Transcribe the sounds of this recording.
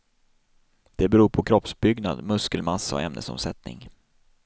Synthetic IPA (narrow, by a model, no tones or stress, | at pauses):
d̪̥ɛbɛɾuːɾpʰɔkʰɾɔpsbʏɡna̰d̪mɵskəlmasːaɔ̰ɛmnə̰sɔ̰msɛt̪̚nɪ̰ŋ